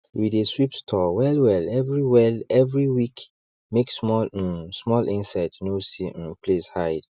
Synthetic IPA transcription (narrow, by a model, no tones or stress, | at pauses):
wideswipstʰɔwɛlwɛlɛvɹiwɛlɛvɹiwik | meksmɔ̃smɔlʔĩnsaɪtnosĩnpʰleshaɪd